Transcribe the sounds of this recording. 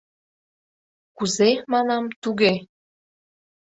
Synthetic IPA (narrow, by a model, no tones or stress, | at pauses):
kuzemɑnɑmt̪uɣe